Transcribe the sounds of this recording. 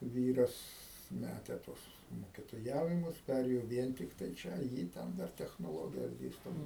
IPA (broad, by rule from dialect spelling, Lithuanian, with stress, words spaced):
ˈʋʲiːrɐs ˈmʲætʲɛ ˈtuɔs moːkʲɪtoːˈjæːʋʲɪmʊs ˈpʲærʲeːjoː ˈʋʲiɛn tʲɪkˈtɐɪ ˈt͡ʃʲɛ ˈjiː ˈtʲɛn ˈdɐr tʲɛxnoːˈlˠoːɡʲɪjɛs ˈdʲeːstoː